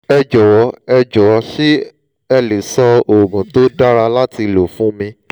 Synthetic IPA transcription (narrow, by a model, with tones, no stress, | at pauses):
ɛ˧d͡ʒɔ˨wɔ˧˦ɛ˧d͡ʒɔ˨wɔ˨˧˦ʃi˦ | ɛ˧le˨sɔ˧o˨ɡũ˨to˦da˦ɾa˧la˦ti˧lo˨fũ˦mĩ˧